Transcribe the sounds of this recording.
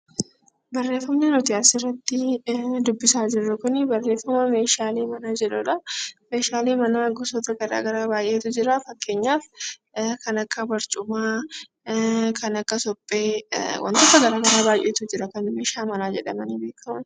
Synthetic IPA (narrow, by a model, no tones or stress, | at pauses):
bɐrːe̞ːfːɐmnenɔt̪ɪaːsɪrːɐt̪ːɪd̪ʊbːɪsaːd͡ʒɪrːɐkʊnɪbɐrːeːfɐmɐme̞ːʃaːleːmɐnaːd͡ʒɛᶑʊᶑɐme̞ːʃaːleːmɐnaːɡɔsɔt̪ɐɡɐɾa̰ːɡɐɾaːbaːjʔe̞ːt̪ʊd͡ʒɪɾɐfɐkːe̞ːɲːaːf | kɐnɐkːɐbɐɾt͡ʃʼʊmaː | kʰɐnɐkːɐsɔpʼːeːwʔɐ̰nt̪ɐk̪ːɐɡɐɾaːɡɐɾaːbaːjʔeːt̪ʊd͡ʒɪɾɐkɐnmeːʃaːmɐnaːd͡ʒɛᶑɐmɐniːbe̞ːkɐmɐn